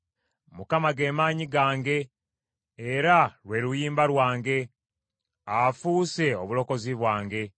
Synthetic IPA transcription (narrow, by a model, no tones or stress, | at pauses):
mukamaɡe̞ːmaːɲiɡaːŋɡe̞ː | ɾaɾwe̞ɾujiːmbaɾwaːŋɡe̞ | afuːse̞oβulo̞ko̞ziβwaːŋɡe̞